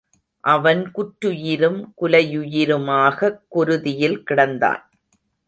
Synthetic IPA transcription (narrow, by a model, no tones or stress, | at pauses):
ʔɐʋɐnkʊʈɾʊjɪɾɯmkʊlɐjʊjɪɾɯmaːɣɐkːʊɾɯðɪjɪlkɪɽɐnd̪a̰ːn